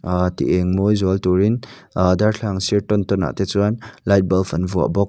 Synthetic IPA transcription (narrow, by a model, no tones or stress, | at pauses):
t̪ḭʔɛŋmojzɔaltuɾin | darɬʰaŋsiɾtɔntɔna̰ʔt̪ɛt͡suanlajt̚bɐlfanvua̰ʔbɔk̚